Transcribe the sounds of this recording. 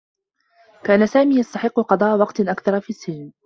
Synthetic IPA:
kaːnasaːmiːjɑst̪aħɪqːʊqɑd̪ˤɑːʔawɑqt̪ʔakθɑɾˤɑfiːsːɪln

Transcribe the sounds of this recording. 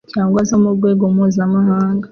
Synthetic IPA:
caːŋɡwazamubɡwe̞ːɡomuːzamahaːŋɡa

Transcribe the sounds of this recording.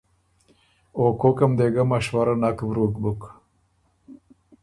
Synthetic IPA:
oːkokɐmd̪eɡamaʃwaɾanakvɾuːkbuk

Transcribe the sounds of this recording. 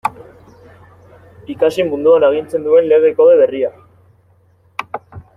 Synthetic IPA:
ikasimund̪uaneɣ̞int͡se̞nd̪ue̞nleɣ̞e̞ko̞ðeβe̞ria

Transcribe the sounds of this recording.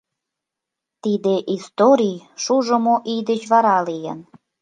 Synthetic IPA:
t̪id̪eʔist̪oɾʲijʃuʒə̆moʔijd̪et͡ɕβɑɾɑlijə̰n

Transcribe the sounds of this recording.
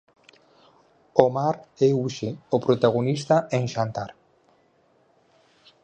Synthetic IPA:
omaɾeuʃeopɾot̪aɣ̞onist̪aʔeŋʃant̪aɾ

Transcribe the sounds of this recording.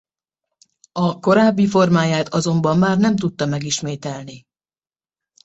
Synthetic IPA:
ɒko̞ɾaːbːifo̞rmaːjaːt̪ʰɒzo̞mbɒmːaːrnɛmt̪ut̪ːɒmɛɡiʃmeːt̪ɛlni

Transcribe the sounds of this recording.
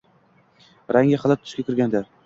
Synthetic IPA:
ɾʔaŋjaχɑlˠat̪̚t̪ʰʊ̥ʃkʲakʲɪɾɡʲand̪a

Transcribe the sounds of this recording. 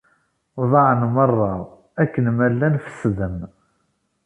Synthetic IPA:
ðˤɑʕənmərˤːɑ | ækːənmælːænfə̥sðəm

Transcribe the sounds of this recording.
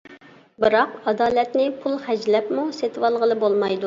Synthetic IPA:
bɨɾɑqɑd̪ɑːlɛt̪nɪpʰulˠχɛd͡ʒlɛpmuset̪wɑlˠʁəlˠɨbolˠmɑjd̪u

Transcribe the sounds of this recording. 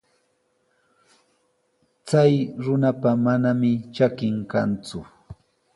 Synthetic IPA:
t͡sajɾʊnapamanamɪt͡ʃakɪŋkant͡sʊ

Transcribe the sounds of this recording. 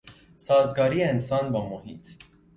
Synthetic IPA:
sɒːzɡɒːɾieensɑːnbɒːmohḭːt̪ʰ

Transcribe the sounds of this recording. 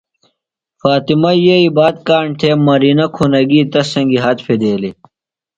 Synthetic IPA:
faːt̪imɐjeibaːd̪̚kaːɳʈ̪ʰeːmɐɾiːnɐkʰunɐɡiːt̪ɐsɐ̃ŋɡiɦɐt̪fed̪eːli

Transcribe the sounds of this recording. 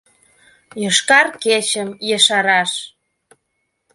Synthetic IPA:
jəʃkɑrket͡ɕəmjeʃɑɾɑʃ

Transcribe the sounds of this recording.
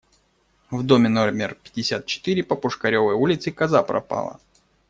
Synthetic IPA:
vd̪omʲɪnolʲmʲɪrpʲɪ̥dʲɪsʲat̪̚t͡ɕɪ̥t̪ɨɾʲɪpəpʊʂkɐɾʲovəjulʲɪt̪sɨkɐzapɾɐ̰pa̰lˠə̰

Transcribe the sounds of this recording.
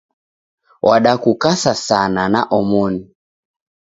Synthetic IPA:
wʔaɗakukasasananaʔɔmɔni

